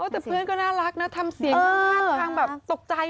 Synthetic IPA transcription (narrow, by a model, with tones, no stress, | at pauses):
ʔoː˦˥t̪ɛː˨˩pʰɯ˥˩ənkɔː˥˩naː˥˩ɾa˦˥k̚na˦˥t̪ʰa˧msi˨˩˦ŋʰ˧˥aː˧ŋbɛː˨˩p̚t̪o˨˩k̚t͡ɕa˧j